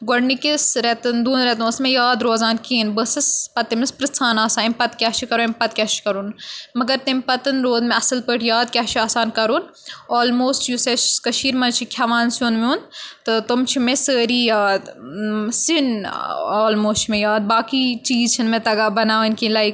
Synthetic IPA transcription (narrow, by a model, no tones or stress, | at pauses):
ɡɐɽnikisɾɛt̪ɨnd̪uːnɾɛt̪̬ũsmẽjaːd̪ɾoːzaːnkiːnbəsɨspɐt̪ːɐmnɨspɾɨst͡sʰaːnaːsaːnimpɐt̪kʲaːt͡ʃʰikɐɾuempɐt̪̚kʲaːt͡ʃi̥kɐɾuːnmɐɡɐɾt̪ɐmpɐt̪ɐnɾoːd̪mẽɐsɨlpəːʈʰjaːd̪̚kʲaːʃʰiaːsaːnkɐɾuːn | oːlmoːsʈjuset͡ʃkɐʃiːɾmɐnt͡ʃʰikʲʰɐʋaːnsunmũnt̪ɨt̪umt͡ʃʰimẽsəːɾiːjaːd̪ | sinoːlmoːst͡ʃʰimẽjaːd̪̚baːkit͡ʃiːzt͡ʃʰinmẽt̪ɐɡaːbɐnaːʋinkilaːi